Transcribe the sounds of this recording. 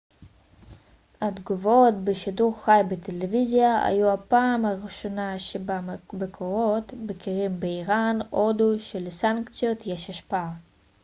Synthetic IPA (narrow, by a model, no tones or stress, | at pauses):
hadɡuvotbeʃiduʁχajbet̪ʰelevizjaa̰juhapaːmhaʁiʃo̞naʃebabekʰoʁo̞tbekʰiʁimbeiʁano̞duʃelesaŋkt͡sijot̪jeʃaʃpaa